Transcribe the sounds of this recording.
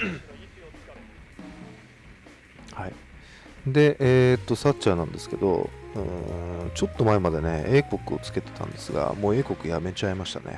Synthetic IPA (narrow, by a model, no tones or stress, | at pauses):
hai | d̪e̞ʔeːt̪ːo̞satːɕaːnãnd̪e̞sɨ̥ke̞d̪o̞̰ɯ̃t͡ɕo̞t̪ːo̞maemad̪e̞ne̞eːko̞kɯ̟o̞t͡sɨ̥ke̞t̪e̥t̪ʰã̰nd̪e̞̥sɨɡa̰mo̞ːe̞ːko̞kɯ̟jame̞t͡ɕaimaɕi̥t̪a̰nḛ